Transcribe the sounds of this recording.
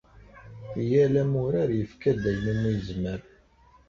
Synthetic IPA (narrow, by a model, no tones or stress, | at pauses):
ijælæmʊɾaɾjəfkæd̪æjnəmːijəzmæɾ